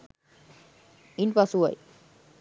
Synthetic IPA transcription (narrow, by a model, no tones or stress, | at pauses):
inpasuwa̰j